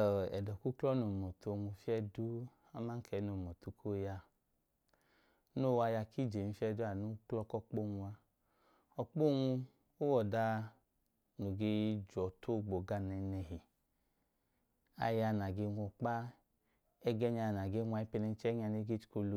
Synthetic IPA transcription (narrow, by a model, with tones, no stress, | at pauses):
ɔ˨ɛ˨dɔ˨ku˦klɔ˦no˨mɔ˨tu˧o˧ŋʷu˧fi˦ɛ˦du˦ | a˦ma˦ŋ̩˦kʰɛ˨˦no˨mɔ˨tu˧kʰo˦ja˧˦ | no˦˨wa˧ja˧kʰi˦˨d͡ʒe˨nu˧fʲɛ˧du˦a˨nu˦klɔ˦kɔ˦k͡po˦˨ŋu˧a˧ | ɔ˧k͡po˦˨ŋu˧ | o˦wɔ˨da˧ | no˨ɡe˧d͡ʒɔ˨tʰo˦˨ɡ͡bo˨ɡa˧nɛ˧nɛ˧hi˨ | a̰˧ja˧na˨ɡe˧˦ŋʷɔ˧˨k͡pa˦ | ɛ˦ɡɛ˦ɲa˧˨na˨ɡe˦ŋʷ˧a˧˦i˦pɛ˧nɛ˧˦t͡ʃɛ˦ɲ˦a˧ne˧˦ɡe˦t͡ʃi̥˨˦ko˧lu˧